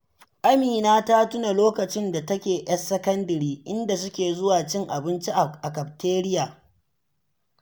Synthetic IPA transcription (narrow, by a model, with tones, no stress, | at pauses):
ʔa˦miː˨naː˦ta˦tʊ˦na˨loː˦kɐ˨t͡ʃɪ˦nda˨tɐ˦kʲeː˨ʔɐ˦sːɐ˦kɐ˦ndɐ˨ɾiː˦ʔɪ˦nda˨s̬ʊ˦kʲeː˨zʊ˦waː˨t͡ʃɪ˦ŋʔa˨bɪ˦nt͡ʃi˦ʔʔa˨kɐ˨p̚tʰeː˦ɾɪ˦jaː˨